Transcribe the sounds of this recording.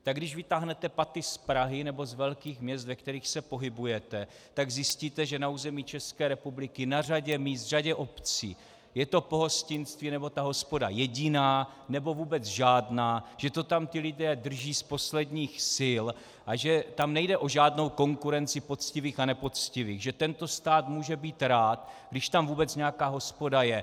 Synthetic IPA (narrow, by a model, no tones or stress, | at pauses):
t̪aɡdɪʃvɪt̪aːɦnɛt̪ɛpat̪ɪspɾaɦɪnɛbo̞zvɛlkiːxmɲɛst̪vɛk̚t̪ɛɾiːxsɛpo̞ɦɪbujɛt̪ɛ | t̪aɡzɪsciːt̪ɛʒɛnauːzɛmiːt͡ʃɛskɛːɾɛpublɪkɪnar̝aɟɛmiːst̪r̝aɟɛʔo̞pt͡sḭː | jɛt̪o̞po̞ɦo̞scɪnst̪viːnɛbo̞t̪aɦo̞spo̞da̰jɛɟɪnaː | nɛbo̞vuːbɛt͡sʒaːdnaːʒ̥ɛt̪o̞t̪amt̪ɪlɪdɛːd̪r̩ʒiːspo̞slɛdɲiːxsɪl | ʔaʒɛt̪amnɛjdɛʔo̞ʒaːdno̞wko̞ŋkuɾɛnt͡sɪpo̞t͡scɪviːxanɛpo̞t͡scɪviːɣʒɛt̪ɛnt̪o̞st̪aːt̪muːʒɛbiːt̪ɾaːt̪ɡdɪʃt̪amvuːbɛt͡sɲɛjakaːɦo̞spo̞dajɛ